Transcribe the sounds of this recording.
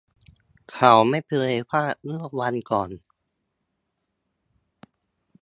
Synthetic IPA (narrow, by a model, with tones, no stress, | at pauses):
kʰa˨˩˦wma˥˩jpʰɤː˧pʰaː˥˩mɯ˥˩əwa˧nkɔː˨˩n